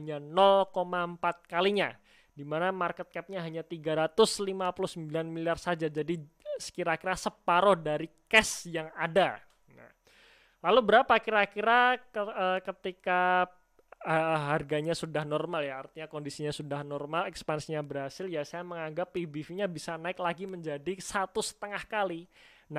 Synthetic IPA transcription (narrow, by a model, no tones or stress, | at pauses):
ɲanɔlkomaəmpat̪̚kaliɲa | dimanamarkət̪̚kɛp̚ɲaɦaɲat̪iɡaɾat̪ʊslimapuluhsəmbilanmiliarsad͡ʒad͡ʒadi | sə̥kiɾakiɾasəpaɾɔhdaɾikɛsjaŋada | na̰ | lalubəɾapakiɾakiɾaəəkət̪ika | əɦarɡaɲasudahnɔrmaljaːrt̪iɲakondisiɲasudahnɔrmalɛkspansiɲabərɦasɪljasajaməŋaŋɡapːibifiɲabisanaɪklaɡiməɲd͡ʒadisat̪usə̥t̪əŋahkali | na